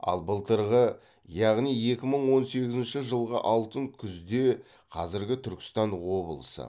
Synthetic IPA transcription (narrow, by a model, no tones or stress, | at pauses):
ɑ̰lˠbəlˠt̪əɾʁə | jɑʁnije̞kʲɪməɴwo̞nse̞ɡʲɪzɪnʃɪʒəlˠʁə̰ʔɑlˠt̪əŋkʲʰʏzd̪e̞ | qʰɑzɪɾɡʲɪt̪ʰʏɾkʲɪ̥st̪ɑnwo̞bəlˠəsə̰